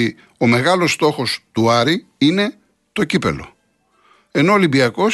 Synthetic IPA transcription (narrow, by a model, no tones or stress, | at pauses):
i | o̞me̞ɣɐlo̞st̪o̞xo̞st̪uɐɾi | ine̞ | t̪o̞cipe̞̰lo̞̰ | e̞no̞olimbiɐko̞